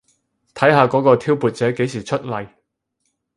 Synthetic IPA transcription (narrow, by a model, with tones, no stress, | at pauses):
t̪ʰɐ˨˥jɦaː˨˧kɔː˨˥kɔː˧t̪ʰiː˥wpuː˨t̚t͡sɛː˨˥ke˨˥jsiː˨˩t͡ʃʰɵ˥t̚lɐ˨j